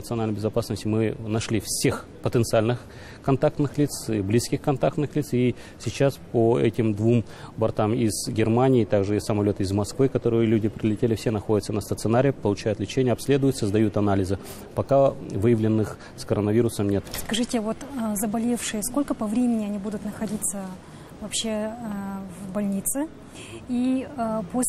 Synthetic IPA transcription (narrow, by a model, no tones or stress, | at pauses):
ət̪sɨɐnalʲnjʲbʲɪzɐpasnəsʲtʲɪmɨnɐʂlʲifsʲe̞xpət̪ənt̪sɨalʲnɨx | kɐnt̪ak̚t̪nɨxlʲit̪siblʲiskʲɪxkɐnt̪ak̚t̪nɨxlʲit̪si | sʲɪt͡ɕaspoɛ̰tʲɪmd̪vum | bɐrt̪amɪz̥ɡʲɪrmanʲɪːt̪aɡʐɨɪsəmɐlʲo̞t̪ɪzmɐskvɨkɐt̪o̞ɾɨjəlʲudʲɪpɾʲɪlʲɪtʲelʲɪfsʲenɐxodʲɪt̪sənəst̪ət̪sɨnaɾʲɪjəpəlˠʊt͡ɕæjʊt̪lʲɪt͡ɕenʲɪjəɐpsʲlʲe̞d̪ʊjʊt̪səzd̪ɐjut̪ɐnalʲɪzɨ | pɐkavɨjɪvlʲɪnːɨx | skəɾənəvʲiɾʊsəmnʲe̞t̪skɐʐɨtʲɪvo̞t̪ːzəbɐlʲe̞fʂɨjəsko̞lʲkəpɐvɾʲemʲɪnʲɪɐnʲibud̪ʊt̪nəxɐdʲit̪sə | vɐpɕːe | vbɐlʲnʲit̪sɨ | ipo